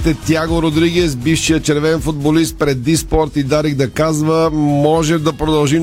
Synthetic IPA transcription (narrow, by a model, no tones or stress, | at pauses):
t̪ɛt̪ʲjaɡoɾod̪ɾiɡɛsbifʃijət͡ʃɛɾvɛnfod̪̚bolist̪̚pɾɛd̪ːispɔɾt̪id̪aɾiɡd̪ɐkazvəmɔʒɛd̪ɐpɾod̪ɐlˠʒi